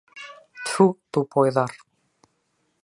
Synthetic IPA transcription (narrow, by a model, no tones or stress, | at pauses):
t̪ʰut̪upɔjðaɾ̥